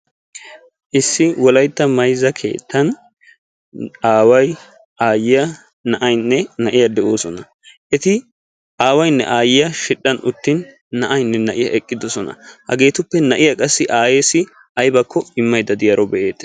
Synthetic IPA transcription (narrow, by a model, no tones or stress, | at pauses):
ʔɪsːɪwɔlɐjt̪ːɐmɐjzɐkʰe̞̰ːt̪ːɐn | aːwɐj | aːjɪjɐ | nɐʔɐjnːɛnɐʔɪjɐd̪ɛʔoːsɔnɐ | ʔɛt̪ɪ | aːwɐjnːɛ̰ʔaːjɪjɐʃɪɗːɐnʊt̪ːɪnː | ɐʔɐjnːɛnɐʔɪjɐ̰ʔɛkʼːɪd̪ɔsɔnɐ̰hɐ̰ɡe̞ːt̪ʊpːɛnɐʔɪjɐkʼɐsːɪʔaːjeːsɪ | ʔɐjbɐkʰːɔɪmːɐjd̪ɐd̪ɪjɐɾɔbɛʔe̞ːt̪ː